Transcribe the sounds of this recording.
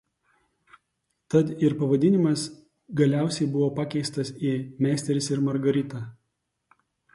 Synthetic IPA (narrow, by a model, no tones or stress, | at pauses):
t̪ɐt̪ɪɾpɐʋɐd̪ʲɪnʲɪmɐs | ɡɐlʲæˑʊsʲɛɪbʊʋoːpɑkʲɛɪst̪ɐsimʲæːsʲt̪ʲɛɾʲɪsɪɾmɐɾɡɐɾʲɪt̪ɑː